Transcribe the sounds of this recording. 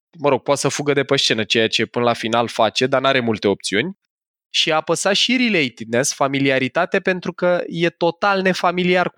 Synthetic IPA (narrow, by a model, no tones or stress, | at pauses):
məɾo̞ɡ̚pot̪səfuɡəd̪e̞pəʃt͡ʃe̞nət͡ʃe̞jat͡ʃe̞pɨnəlafinalfat͡ʃe̞d̪anaɾe̞mult̪e̞o̞p̚t̪siunʲ | ʃiapəsaʃiɾilejt̪id̪̚ne̞sfamiliaɾit̪at̪e̞pe̞nt̪ɾukəje̞t̪o̞t̪alne̞familiar